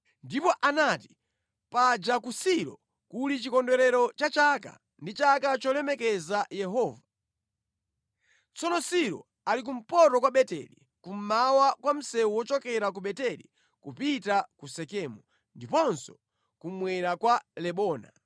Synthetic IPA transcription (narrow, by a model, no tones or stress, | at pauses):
ndipɔʔanati̥ | pad͡ʒakusiɾɔ | kulit͡ʃikɔndɔɾɛɾɔt͡ʃat͡ʃaka̰ | ndit͡ʃakat͡ʃɔlɛmɛkɛzajɛɦɔːva | t͡sɔnɔsiɾɔ̰ | alik̬um̩pɔɾɔkwaɓɛtɛ̰lḭ | kum̩mawakwam̩sɛuwɔt͡ʃɔkɛɾak̬uɓɛtɛlḭ | kupitakusɛkɛːmu | ndipɔnsɔ̥ | kumwɛɾakwalɛɓɔːna̰